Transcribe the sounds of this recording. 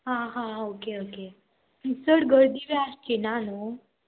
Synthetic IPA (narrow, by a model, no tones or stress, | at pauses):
ɦãɦãokeoke | isəɽɡəɾd̪iʋeast͡ɕinano